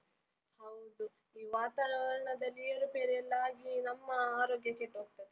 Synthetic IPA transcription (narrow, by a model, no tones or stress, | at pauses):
hɐwd̪u | iːʋaːt̪aːɾɐɳɐd̪ɐlːiɐɾupeːɾeɛlːaːɡinɐmːɐaːɾoːɡjɐkeʈːɦoːɡ̚t̪ɐd̪e